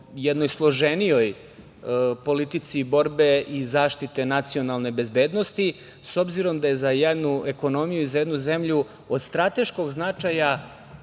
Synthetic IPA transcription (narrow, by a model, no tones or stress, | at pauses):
jed̪no̞jslˠo̞ʒenijo̞j | po̞lit̪it̪sibo̞ɾbe̞ʔizaːʃt̪it̪e̞nat̪sio̞nalˠne̞be̞zbe̞ːd̪no̞st̪i | so̞bziɾo̞md̪aje̞zajed̪nueko̞no̞mijuizaje̞d̪nuze̞mʎu | o̞d̪st̪ɾat̪e̞ʃko̞ɡznat͡ʂaja